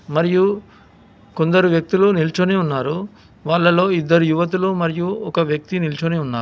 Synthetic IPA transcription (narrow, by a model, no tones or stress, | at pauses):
mɐɾiju | kond̪ɐɾuʋjɐk̚t̪ulunilt͡ʃoːneːunːaːɾu | ʋaːɭːɐlo̞ːid̪ːɐɾujuʋɐt̪̬uluːmɐɾijuɔkɐʋjɐk̚t̪inilt͡ʃoːneːunːaː